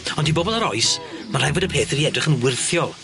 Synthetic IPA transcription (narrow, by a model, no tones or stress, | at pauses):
ɔndiboːbɔlˠaɾɔɨsmanr̥ɛvɔdəpʰeːθiɾiɛdrɪχənwɪrθjɔlˠ